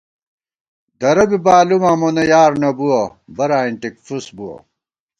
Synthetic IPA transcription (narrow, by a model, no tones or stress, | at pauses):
d̪ɐɾɐbibaːlumaːmonɐjaːɾnɐbuɐbɐɾaːiɳʈikfusbuwɐ̰